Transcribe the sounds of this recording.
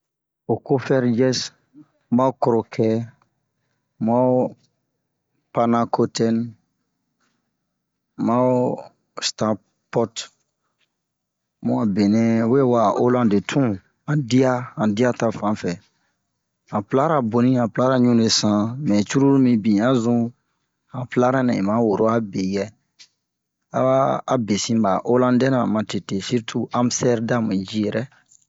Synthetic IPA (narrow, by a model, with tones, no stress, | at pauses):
o˨ko˦fɛ˦ɾd͡ʒɛ˦s | ma˦u˦kɔ˨ɾo˨kʰɛ˦ | ma˦o˦ | panã˨ko˦tɛ˦n | ma˦o | sta˦ | pɔt | mũ˦a˨be˨nɛ̃˦we˦e˦wa˨ʔo˦lã˦de˨tʰũ˦ | ã˨di˦a˦hã˨di˦a˦ta˦fã˨˦fɛ˨ | ã˨pla˦ɾa˨bo˨nĩ˦ã˨pla˦ɾa˦ɲũ˦ne˨sã˦mɛ̃˨t͡ʃu˦ɾu˦ɾu˦mĩ˦bĩ˨ã˦zũ˦ | hã˨pla˦ɾã˦nã˨ĩ˨mã˨˦wo˨ɾo˦a˦be˨jɛ˦ | a̰˦aː˦˨be˨sĩ˦ba˨ʔo˦lã˦dɛ˦nã˨mã˨te˨te˨si˦ɾtʰu˨ʔã˦mstɛ˦ɾdã˦m˨d͡ʒi˦jɛ˨ɾɛ˦